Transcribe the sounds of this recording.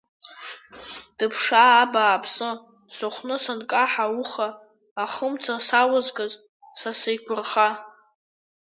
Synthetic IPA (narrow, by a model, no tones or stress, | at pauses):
d̥ɨpʰʂaːbaːpʰsɨ | sɨχʷnɨsankʼaħawʊχaː | χəmt͡sʰasawazɡaz | sasɨjkʷʰʊrχa